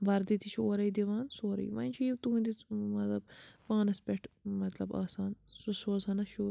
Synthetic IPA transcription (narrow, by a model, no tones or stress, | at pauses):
ʋɐɾd̪it̪ʰit͡ʃʰoːɾɐjd̪iʋaːnsoːɾɐ̰jʋɐ̰nʲt͡ʃʰijit̪uɦnd̪imɐt̪lɐb̚paːnɐspʲeʈʰmɐt̪lɐba̰ːsaːnsusoːzɐnɐʃoː